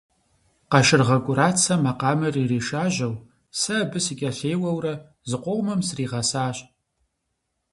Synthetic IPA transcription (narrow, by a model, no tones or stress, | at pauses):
qɐʃɪrʁɐkʷʼʊɾaːt͡sʰɐmɐqɑːmɨriːriːʃaːʑɐw | sɐbɨsikʲʼɐɬeːwɐwrɐ | zɨqʷɔʁʷmɐmsriːʁɐsaːɕʼ